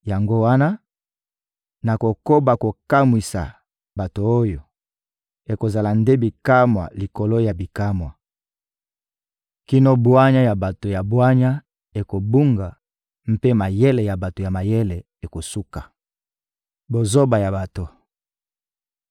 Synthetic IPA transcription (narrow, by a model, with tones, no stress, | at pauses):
ja˨ŋɡo˦wa˦na˦ | na˨ko˨ko˦ba˨ko˨ka˦mwi˨sa̰˨ | ba˨to˨o˦jo˨ | e˨ko˨za˨la˨nde˦bi˨ka˦mwa̰˨li˨ko˨lo˦ja˨bi˨ka˦mwa˨ | ki˦no˦bwa˦ɲa˦ja˨ba˨to˨ja˨bwa˦ɲa˦ | e˨ko˨bu˦ŋɡa˨ | m̩˦pe˦ma˨je˦le˨ja˨ba˨to˨ja˨ma˨jɛ˦le˨ | e˨ko˨su˦ka˨ | bo˨zo˦ba˨ja˨ba˨to˨